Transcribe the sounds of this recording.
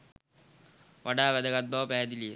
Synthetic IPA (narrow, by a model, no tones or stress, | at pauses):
ʋaɖaːʋæd̪əɡat̪̚baʋpæːd̪ilije